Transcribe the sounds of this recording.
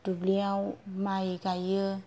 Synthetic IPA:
d̥ubliãmajikajə

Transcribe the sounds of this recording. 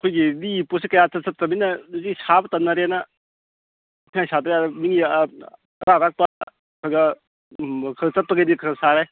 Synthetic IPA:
ɐkʰojɡiliposikɐjat͡sɐt̚sɐt̚tɐminɐzisabɐtɐnːaɾanɐ | kʰiŋajsatɾeaɾmiŋi | ɾaɾak̚pɐ | kʰɐɡɐ | kʰɐɡt͡ʃɐt̚pɐɡɐdikʰɐɾɡɐsaɾe

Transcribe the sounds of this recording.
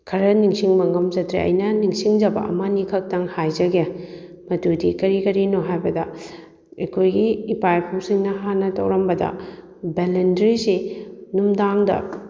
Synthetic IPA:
kʰɐɾɐniŋsiŋmɐŋɐmd͡ʒɐtɾḛʔɐ̰jnɐniŋsiŋd͡ʒɐbɐ̰ʔɐ̰mɐnikʰɐk̚tɐŋhajzɐɡe | mɐtudikɐɾikɐɾinoɦajbɐdɐ | ɐkʰojɡiːpajpʰuwsiŋnɐɦanːɐtʰɐwɾɐmbɐdɐ̰ | belendɾisinumdaŋdɐ̰

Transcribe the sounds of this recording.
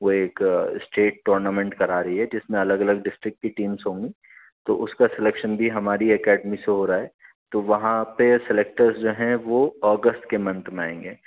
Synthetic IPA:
ʋoeːksʈeːʈːoːɾnamẽɳʈkɐɾaːɾɐɦiɦɛd͡ʒɪsmẽɐləɡɐləɡɖɪsʈɾɪk̚ʈ̚kːiʈiːmsɦõːŋɡi | t̪oʔʊskasɪlekʃənbʱiɦɐmaːɾiɛkɛːɖmiseɦoːɾaːɦɛː | t̪oʋɐɦãpesɪleːk̚ʈəɾzd͡ʒoːɦɛ̃ʋoɔːɡəsʈkemɐ̃nt̪mẽã̰ːẽːŋɡeː

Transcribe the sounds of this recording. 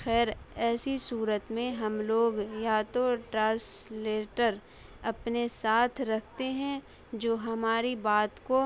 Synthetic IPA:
xɛːɾɛːsisuːɾət̪mẽɦɐmloːɡjaːt̪oʈãːsleːʈəɾ | ɐpnesaːt̪ʰɾɐkʰt̪eɦɛ̃ | d͡ʒoːɦɐmaːɾibaːt̪ko

